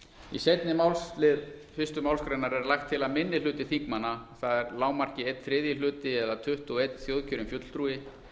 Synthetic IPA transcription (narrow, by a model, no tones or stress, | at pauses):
ḭsejt̪nɪmawlslɪðfɪst̪ʏmaːwlskɾajnaɾɛɾlaxt̪ʰːɪlaðmɪnːɪl̥ʏːt̪ɪθiŋkmanːaθaðɛɾlaːwmar̥cɪejt̪θɾɪːðjɪlʏːt̪ɪɛðat̪ʰʏht̪ɔɣejt̪θjowðcʰœɾɪmfjœt̪l̥t̪ɾuːɪ